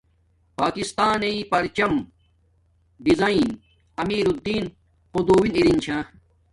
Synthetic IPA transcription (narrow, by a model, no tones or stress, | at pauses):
paːkist̪aːneipɐɾt͡ɕɐm | ɖizain | ɐmiːɾud̪iːn | qod̪uːwiniɾint͡ɕʰãː